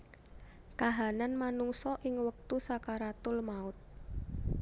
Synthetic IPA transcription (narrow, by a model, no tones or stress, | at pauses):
kaɦananmanuŋsɔʔɪŋwək̚t̪usakaɾat̪ʊlmaʊt̪̚